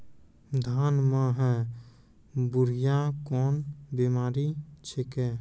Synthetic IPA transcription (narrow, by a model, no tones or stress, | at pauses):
d̪ʱaːnmãɦɛː | bʊɾijakɔːnbimaːɾit͡ʃʰekɛː